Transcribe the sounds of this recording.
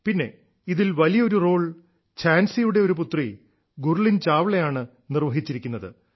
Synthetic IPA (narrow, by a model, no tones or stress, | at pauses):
pinːe̞̰ | iðilʋɐlijɐo̞ɾuro̞ːɭ | t͡ɕʰaːnsijuɽe̞o̞ɾup̬ut̪ri | ɡurlint͡ɕaːʋɭejaːɳɨ | nirʋɐɦit͡ɕːiɾikʲːunːɐðɨ̰